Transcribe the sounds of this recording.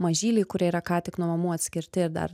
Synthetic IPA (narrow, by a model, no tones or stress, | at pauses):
mɐʒʲiːlʲɛɪkʊɾʲiɛiɾɐkɑːt̪ʲɪknuɔmɐmuːɐt̪ʲsʲkʲɪɾʲt̪ʲɪɪɾd̪ɐ̰ɾ